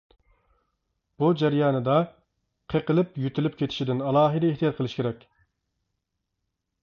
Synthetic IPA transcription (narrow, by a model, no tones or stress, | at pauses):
b̥ud͡ʒæɾjɑːnɨd̪ɑ | qʰeqəlˠɪpjyt̪ʰylyp̚kʲʰet̪ʰɪ̥ʃid̪ɪnɑlˠɑːɦɨd̪ɛeht̪ijɑt̪̚qʰəlˠɨʃkʲeɾɛkʲ